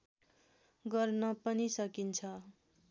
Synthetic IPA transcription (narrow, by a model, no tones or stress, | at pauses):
ɡʌrnʌpʌnisʌkint͡sʰʌ